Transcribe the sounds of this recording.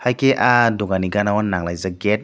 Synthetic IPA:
hakeʔaduŋaniɡanawanːaŋlajzaɡɛt̚

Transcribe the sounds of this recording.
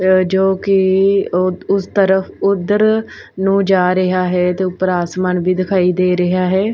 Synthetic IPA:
d͡ʒoːkɪ | ʊst̪əɾəfʰʊd̪ːəɾ | nũːd͡ʒaːɾəɦaːɦɛːt̪eːʊpəɾaːsmənbiːd̪ɪkʰaːiːd̪eːɾəɦaːɦɛː

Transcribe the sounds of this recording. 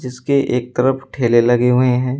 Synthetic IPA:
d͡ʒɪskeʔeːk̚t̪ɐɾəfʈʰeːlelɐɡeɦʊeɦɛ̃ː

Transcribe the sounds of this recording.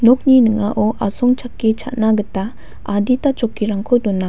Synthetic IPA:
nɔk̚ninɯŋaʔɔʔasɔŋt͡ʃʰakːit͡ʃʰa̰t̚naɡəta | aditat͡ʃɔkːiɾaŋkʰɔdɔna

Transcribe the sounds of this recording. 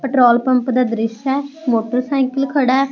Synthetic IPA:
pəʈɾoːlpəmpd̪aːd̪ɾɪʃɛːmoːʈəɾsaːɪkəlkʰəɽaː

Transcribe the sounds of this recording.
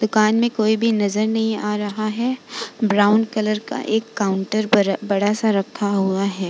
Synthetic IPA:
d̪ʊkaːnmẽkoːibʱinɐzəɾnɐɦĩaːɾɐɦaɦɛbɾaːʊnkɐləɾka̰ʔeːkːaːʊ̃ɳʈəɾbɐɽ̤asaɾɐkʰːaɦuaɦɛː

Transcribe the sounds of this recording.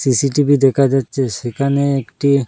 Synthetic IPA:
sisiʈibʱid̪ɛkʰad͡ʑatːɕʰesekʰaneekʈi

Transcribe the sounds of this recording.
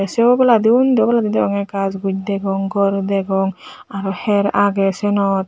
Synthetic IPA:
sɛbɔlad̪iund̪ɛwbɔlad̪id̪iɔŋɛkazɡud͡ʒ̚d̪ɛɡɔŋɡɔɾd̪ɛɡɔŋ | aɾɔhɛɾaɡɛsɛnɔt̪̚

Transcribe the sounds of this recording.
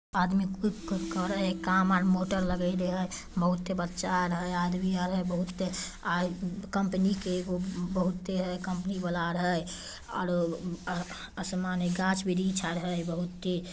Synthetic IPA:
ad̪mikut͡ʃkəɾəɦekamaɾmoʈəɾləɡəd̪eɦəj | bəɦut̪ːebətːʃaɾəɦəjad̪miəɾɦəbəɦut̪ːe | akəmpnikeɡobəɦut̪ːeɾəkəmpənibəlaɾəɦəj | ɔ̰ːɾ | əsmaneɡat͡ʃbid̪ʱit͡ʃʰaɾəɦəjbəɦut̪ːe

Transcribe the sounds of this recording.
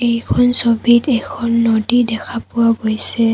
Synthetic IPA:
ejkʰɔnsobitɛkʰɔnːodidɛkʰapʊwaɡojsɛ

